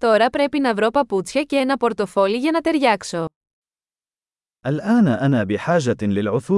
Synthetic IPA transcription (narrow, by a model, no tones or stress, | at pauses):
t̪o̞ɾɐpɾe̞pinɐvɾo̞pɐput͡sçɐceenɐpo̞ɾt̪o̞fo̞liʝɐnɐt̪e̞ɾʝɐkso̞ | ʔalʔaːnʔanaːbɪħaːʒalɪlʕʊθu